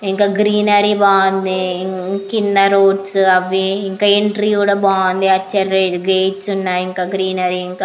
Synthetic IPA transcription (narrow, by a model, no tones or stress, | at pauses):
iŋkaɡɾiːnɐɾibaːnd̪iŋkinːɐɾoːɖsɐʋiiŋkɐeɳʈɾikuːɽɐbaːnd̪iɐt͡ʃːɐɾeɡeːʈsunːaːjiŋkɐɡɾiːnɐɾiiŋka